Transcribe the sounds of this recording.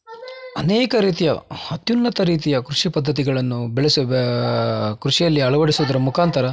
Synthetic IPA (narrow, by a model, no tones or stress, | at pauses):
ɐneːkɐɾiːt̪̬ijɐ̰hɐt̪junːɐt̪ɐɾiːt̪ijɐkɾuʂipɐd̪ʱːɐt̪̬iɡɐɭɐnːubeɭesu | kɾuʂijɐlːiɐɭɐʋɐɽisuːd̪ɐɾɐmukʰaːnt̪ʰɐɾɐ